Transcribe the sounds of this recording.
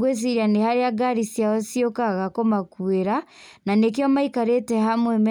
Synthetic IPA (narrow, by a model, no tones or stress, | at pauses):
ɡwes̬iɾanehaɾeaɡaɾisjaɔsiokaɣakɔmakweɾa | nanek̬iɔmaikaɾetɛhamwɛmɛ